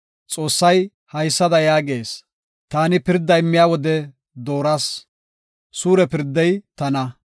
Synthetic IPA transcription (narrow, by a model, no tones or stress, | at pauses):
t͡sʼo̞ːsːɐj | hɐjsːɐd̪ɐjaːɡe̞ːs | t̪aːnɪpɪɾd̪ːɐjɪmːɪjaːwɔd̪ɛ | d̪o̞ːɾas | suːɾɛpɪɾd̪ːɛjt̪ɐnɐ